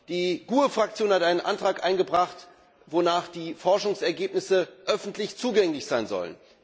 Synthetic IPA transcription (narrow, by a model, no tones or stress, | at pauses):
d̥iːɡ̥uːəfʁ̥ak̚t͡sjoːnhatʔaɪnənʔantʁ̥aːkʔa̰ɪnɡəbʁaχt | vonaːχd̥iːfɔɐʃʊŋsɛɐɡeːpnɪsəʔœfn̩tlɪçt͡suːɡɛŋlɪçz̥aɪnzɔ̰lə̰n